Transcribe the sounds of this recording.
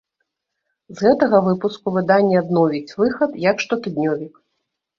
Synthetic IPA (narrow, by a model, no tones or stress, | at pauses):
zɣɛt̪ɐɣɐvɨpuskuvɨd̪anʲːɛad̪nɔvʲit͡sʲvɨxɐt̪jɐkʂt̪ɔt̪ɨd̪nʲɔvʲik